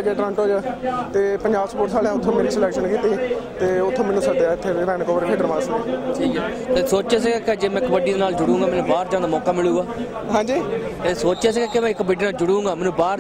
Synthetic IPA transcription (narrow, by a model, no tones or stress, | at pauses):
d͡ʒeːʈɾãːnʈɦoːd͡ʒaːt̪eːpəɲd͡ʒaːbspoːɾt̪ʰaːlɛ̃ːʊt̪ʰːõːmeːnĩsəlɛːkʃənkiːt̪iːt̪eːʊt̪ʰːõːmɛːnːũːsəɖeːaːɪt̪ʰːeːɾɛːɽ̃koʋəɾpʰeːɖəɾmaːsiʈʰiːkɛː | t̪eːsoːt͡ʃeːs̬eɡaːked͡ʒeːmɛ̃ːɪkːbəɖiːd̪eːnaːld͡ʒʊɽũːɡaːmɛːnũːbaːɾd͡ʒãːd̪aːmɔːkaːmɪɭuːɡaː | ɦãːɲd͡ʒiːt̪eːsoːt͡ʃeːsiːɡaːkɪmɛ̃ːɪkːbəɖiːnaːld͡ʒʊɽũːŋɡaːmɛːnũːbaːɾ